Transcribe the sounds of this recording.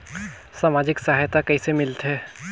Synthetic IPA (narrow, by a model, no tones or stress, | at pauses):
saːmaːd͡ʒɪksaːɦajt̪akɛɦisemɪlt̪ɦɛː